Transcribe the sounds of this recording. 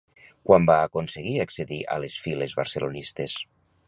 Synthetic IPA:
kwambaːkonseɣ̞iakseðiʔa̰lesfilezβaɾselonist̪es

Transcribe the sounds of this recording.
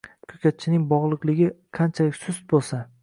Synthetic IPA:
kʰɵkʲat̪̚t͡ʃʰɪnɪŋʲbɒʁlˠɨqlˠɪɡʲɪqʰant͡ʃʰalɪkʲsʊst̪̚bolˠsa

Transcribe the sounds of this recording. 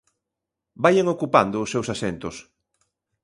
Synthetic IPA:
bajeŋokupa̰nd̪ʊːsːewsasɛnt̪ʊs

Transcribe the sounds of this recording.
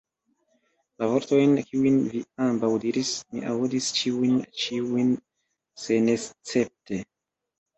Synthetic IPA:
lavo̞ɾto̞jnkiujnviambawdiɾismḭʔaudist͡ʃiujnt͡ʃiujn | se̞ne̞st͡se̞p̚te̞

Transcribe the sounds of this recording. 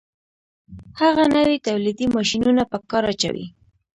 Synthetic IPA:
haɣanəwit̪awlid̪imɑʃinunapəkɑɾat͡ʃa̰wḭ

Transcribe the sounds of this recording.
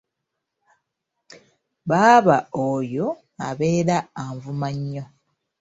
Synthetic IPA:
βaːβaojo̞ | aβe̞ːɾaːɱvumaɲːo̞

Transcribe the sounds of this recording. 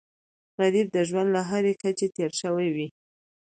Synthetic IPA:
ɣaɾib̚d̪əʒwand̪laɦaɾekat͡ʃet̪eɾʃəwajwi

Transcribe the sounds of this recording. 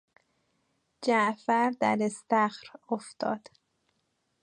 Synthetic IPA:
d͡ʒæʔfæɾd̪æɾest̪æxɾoft̪ʰɒ̰ːd̪̥

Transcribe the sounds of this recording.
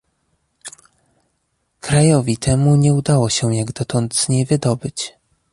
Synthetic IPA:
kɾajɔvʲit̪ʰɛmuɲɛud̪awɔɕɛjaɡd̪ɔt̪ɔnd̪z̥ɲejvɘd̪ɔbɘt͡ɕ

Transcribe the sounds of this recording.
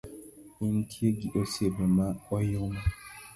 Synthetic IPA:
in̩tʰieɡiʔosebemaɔjoma

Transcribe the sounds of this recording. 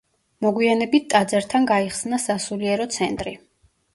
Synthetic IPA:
mɔɡwianɛbit̪̚t̪ʼad̪zɛɾt̪ʰanɡaiχsnasasuliɛɾɔt̪sʰɛnt̪ʼɾi

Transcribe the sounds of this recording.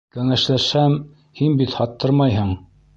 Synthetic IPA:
kæŋæʃlæʃhæm | hinbit̪hɑt̪ːɤɾmɑjɦɤɴ

